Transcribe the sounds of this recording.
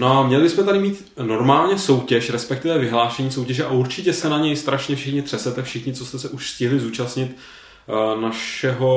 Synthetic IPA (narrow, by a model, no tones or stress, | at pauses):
noamɲɛlɪbɪsmɛt̪adɪmiːt̪ | no̞ɾmaːlɲɛso̞wcɛʃɾɛspɛk̚t̪ɪvɛvɪɦlaːʃɛɲiːsowcɛʒɛʔaʔuɾt͡ʃɪcɛsɛnaɲɛjst̪ɾaʃɲɛfʃɪxɲɪt̪r̥ɛsɛt̪ɛfʃɪxɲɪt͡sost̪ɛsɛʔuʃscɪɦlɪzuːt͡ʃasɲɪt̪ | naʃɛɦo̞